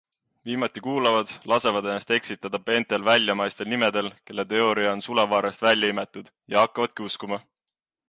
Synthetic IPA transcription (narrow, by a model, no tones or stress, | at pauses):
viːmɑt̪ːˑikuːlɑvɑd̪̥lɑse̞vɑd̪e̞nːɑst̪e̞ksit̪ːˑɑd̪̥ɑpe̞ːnt̪ːe̞lvælʲjɑmɑjst̪e̞lnime̞d̪̥e̞lke̞lːe̞t̪e̞o̞ɾiɑonsulevɑːɾest̪vælʲjɑime̞t̪ːˑud̪̥jɑhɑkːɑvɑd̪̥̚kiuskumɑ